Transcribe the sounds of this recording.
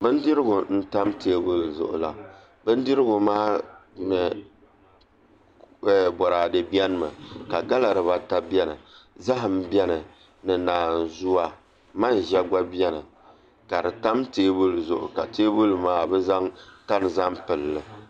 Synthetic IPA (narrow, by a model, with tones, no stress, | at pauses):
bɨ˦n˦dɪ˦ɾɪ˦ɡʊ˨n̩˦ta˦mteː˦bu˦lzʊ̰˨ʔʊ̰˨la̰˨ | bɨ˦n˦dɪ˦ɾɨ˦ɡʊ˨maː˦nɨ˨ | ɛ˨bɔ˨ɾaː˨dɨ˨bi˦ɛ˦n˦mɨ̰˨ka˨ɡa˦la˨ɾɨ˨βa˦ta˦bi˦ɛ˦nɨ˨za˦ɦɨ˨m˦bɛ˦nɨ˨ | nɨ˨naː˨n˨zʊ˦wa˨ | ma˦n˨ʒɛ˦ɡa˦bi˦ɛ˦nɨ˨ | ka˨dɨ˨ta˦mteː˦bu˦lzʊ˨ʔʊ̰˨ka˨teː˦bu˦lmaː˦bɛ˦za˦ŋka˦n˨za˦mpɨ˨lːɨ˨